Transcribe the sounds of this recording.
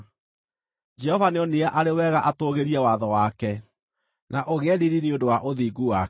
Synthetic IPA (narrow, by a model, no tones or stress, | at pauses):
d͡ʒɛɦɔvaneɔneaʔaɾewɛɣaʔatoɣeɾiɛwaðɔwakɛ | naʔoɣɛɾiɾineodowaʔoðiːɡuwa